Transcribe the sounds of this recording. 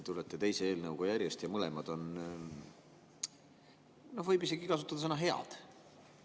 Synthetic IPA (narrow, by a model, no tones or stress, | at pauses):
t̪ulet̪ːˑet̪e̞jse̞eːlnɤwɡ̥ojæɾʲjest̪jɑmɤle̞mɑd̪̥o̞n | no̞hvɤjbise̞ɡikɑsut̪ːˑɑd̪ɑsɤnɑɦe̞ɑ̰d̪̥